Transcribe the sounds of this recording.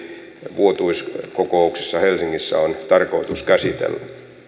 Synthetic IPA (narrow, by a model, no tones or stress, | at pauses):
ʋuot̪uiskokouksesːɑhelsiŋːisːæ̰ont̪ɑrkoit̪uskæsit̪ḛlːæ